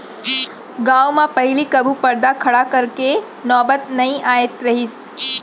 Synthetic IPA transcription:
ɡawmãpəɦilikəbʱupəɾd̪akʰɐɽakəɾke | nɔːbət̪nɐĩʔajet̪ɾɐɦis

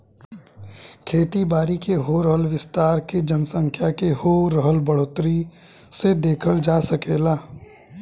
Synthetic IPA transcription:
kʰeːt̪ibaːɾikeɦoːɾəɦəlʋɪst̪aːɾked͡ʒənsə̃ŋkʰjakehoːɾəɦəlbəɽ̤oːt̪ɾi | sed̪eːkʰəld͡ʒaːsəkeːlaː

